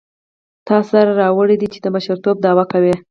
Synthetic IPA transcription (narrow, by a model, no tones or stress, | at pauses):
t̪ɑsaɾaɾɑwəɽed̪it͡ʃed̪əbaʃaɾt̪ob̚d̪ɑwakawe